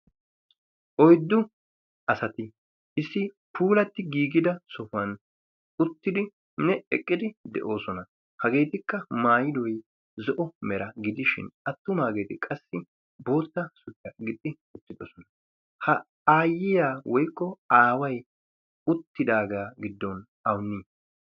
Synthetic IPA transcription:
ʔɔjd̪ːʊ | ɐsɐt̪ɪ | ɪsːɪ | pʰuːlɐt̪ːɪɡiːɡɪd̪ɐsɔfɐn | ʊt̪ːɪd̪ɪ | nɛɛkʼːɪd̪ɪd̪ɛ̰ʔoːsɔnɐ | hɐɡe̞ːt̪ɪkːɐmaːjɪd̪ɔj | zɔʔɔmɛɾɐɡɪd̪ɪʃɪ̰nɐt̪ːʊmaːɡe̞ːt̪ɪkʼɐsːɪ | bo̞ːt̪ːɐsʊt͡ʃːɐɡɪt̪ʼːɪ | ʊt̪ːɪd̪ɔsɔnɐ | hɐ | aːjːɪjaːwɔjkːɔaːwɐj | ʊt̪ːɪd̪aːɡaːɡɪd̪ːɔn | ɐwnːiː

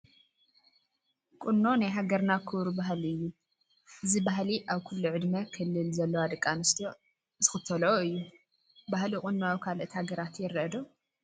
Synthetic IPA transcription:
kʼʊnːo̞najɦaɡɐɾnakʰɨβɾubaɦliɨjːu | ʔɨzibaɦliʔaβkʰulːuʕɨd̪mɐkʰɨlːɨlzɐlːowad̪ɨkʼːanɨst̪ʰo | z̥ɨxɨt̪ʰːɐlɐoɨjːu | bahlikʼʊnːoawikʰalʔɨt̪haɡɐɾat̪jɪɾɐd̪o

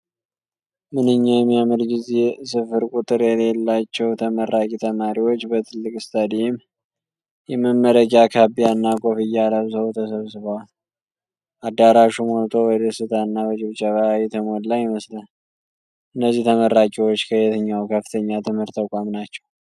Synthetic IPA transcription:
mɨnɨɲːamjamɨɾɡize̞sɨfɨɾkʼut̪ʼɨɾjɛle̞lːat͡ʃːɛwt̪ʰəməɾʔakʼit̪ʰəmaɾiwo̞t͡ʃːbət̪ʰɨlːɨkʼst̪ʰʼəd̪im | jɛməmːəɾəd͡ʒakʰabijanːakʼo̞fɨjːaləβsəwt̪ʰəsəβsɨβəwal | ʔad̪ːaɾaʃumolt̪ʰo̞wəd̪əsɨt̪ʰanːaβət͡ʃʼɪβt͡ʃʼəβaawit̪ʰəmod̪lajɪməslən | ʔɨnːəzːiht̪ʰəməɾːakʼiwot͡ʃːkʰəjɛt̪ʰəɲːawkʰəft̪ʰəɲːat̪ʰɨmhɨɾt̪ːəkʼamnat͡ʃːɛw

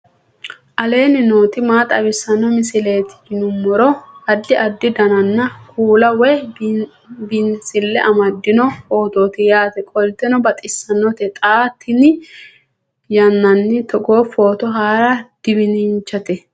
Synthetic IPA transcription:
ʔɐle̞ːnɪnoːt̪ɪmaːt̪ʼɐbɪsːɐnɔmɪsɪle̞ːt̪ɪ̥ɪnʊmːɔɾɔɐd̪ːɪʔɐd̪ːɪd̪ɐnɐnːɐkʰuːlɐwɛ | bɪnsɪlːɛʔɐmɐd̪ːɪnɔfo̞ːt̪oːt̪ɪjaːt̪ɛkʼɔlt̪ːɛnɔbɐt̪ʼɪsːɐnːɔt̪ɛt̪ʼaːt̪ʰːɪnɪ | jɐnːɐnːɪt̪ɔɡo̞ːfoːt̪ɔɦaːɾɐd̪̥ɪbɪnɪnt͡ʃːɐt̪ɛ

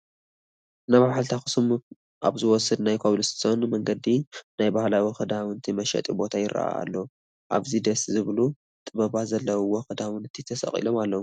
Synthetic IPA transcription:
naβaħalt̪ʰaxɨ̥sɨm | ʔa̰βzɨwɔsɨd̪najkʰoβlɨst̪ʰonmɐŋɡɐd̪inajbahlawixɨd̪awɨnt̪ʰimɐʃɐ̰t̪ʼibo̞t̪ʰajɪɾa̰ʔa̰a̰lːo | ʔa̰βzid̪ɐszɨβlu | t̪ʼɨβɐβazɐlːɐwwɔxɨd̪amɨnɨt̪ʰit̪ʰɐsɐ̰χʼḭlo̞malːo

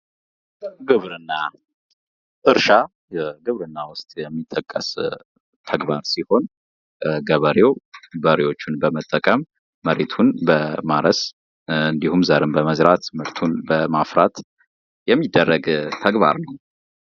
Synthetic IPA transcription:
ɡɨβɾɨnːa | ʔɨɾʃa | ɡɨβɾɨnːawʊst̪ʼjɛmːit̪ʼːəkʼːə̰s | t̪ʰəɡbaɾsiho̞n | ɡəβəɾewbəɾewo̞t͡ʃːunbəmət̪ʼːəkʼəmː | əɾet̪ʰunbəmaɾəs | ɨnd̪ihumzaɾɨnbəməzɾat̪mɨɾt̪ʰunbəmafɾat̪ | jɛmːid̪ːərːəɡt̪ʰəɡba̰ɾnəw

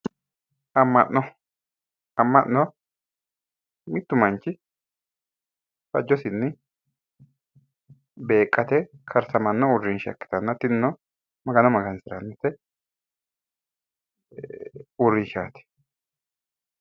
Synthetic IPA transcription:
ɐmːɐ̰ʔnɔ | ɐmːɐʔnɔ | mɪt̪ːʊmɐnt͡ʃːɪ | fɐ̰d͡ʒːɔsɪnːɛ | be̞ːkʼːɐt̪ɛkʰɐɾsɐmɐnːɔʊrːɪnʃɐ̰kːɪ̥t̪ɐnːɐt̪ɪnːɔ | mɐɡɐnɔmɐɡɐnsɪɾɐnːɐt̪ɛ | ʊrːɪʃaːt̪ɛ̥

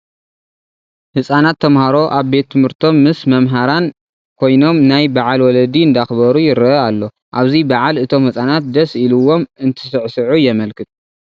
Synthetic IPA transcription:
hɨsʼanat̪ʰːɐmhaɾo̞ʔaβbe̞t̪ʰːɨmhɨɾt̪ʰo̞mːɨsmɐmɦaɾan | kʰo̞jno̞mnajbaʕalwɔlɐd̪iɨnd̪axβɐɾujɪɾɐʔalːo̞ | ʔaβzibaʕalɨt̪ʰo̞mhɨsʼanat̪̚d̪ɐsiluwo̞mɨnt̪ʰɐsɨʕsɨʕujɛmɐlkʰɨt̪ʰ

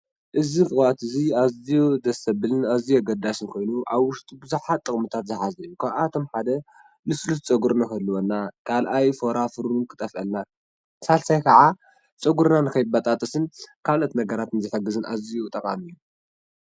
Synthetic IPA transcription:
ʔɨzikɨxat̪ɨziazijod̪ɐsɐbɨlɨnazijoɡɐd̪asɨnkʰo̞jnuʔaβwʊʃt̪ʼibɨzuħat̪ʼːɨkʼmɨt̪ʰat̪zɨħazɐjːukʰaβʔat̪ʰo̞mħad̪ɐ | lɨslut̪t͡sʼɐɡuɾnakɐlːuwonːakʰalʔajfo̞ɾafɨɾunkʰɨ̥t̪ʼɐfʔɐlna | salsajkʰɐʕa | t͡sʼɐɡuɾnanɨkʰɐjbat̪ʼat̪ʼɐsɨnkʰalot̪nɐɡɐɾat̪ɨnzɨħɐɡɨzɨnʔa̰zijot̪ʼɐkʼa̰mɨjːu

